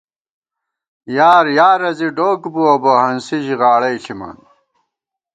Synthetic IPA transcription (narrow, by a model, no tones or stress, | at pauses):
jaːɾjaːɾɐziɖoːkbuɐbɐɦɐnsiʑiʁaːɽɐjɬʰima̰ːn